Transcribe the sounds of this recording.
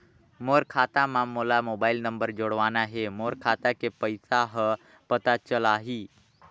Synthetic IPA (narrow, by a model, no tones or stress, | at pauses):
moɾkʰaːt̪amãmolamoːbaːilnəmbəɾd͡ʒoɽʋanaɦemoːɾkʰat̪akepəjsaɦə | pət̪at͡ʃəlaːɦiː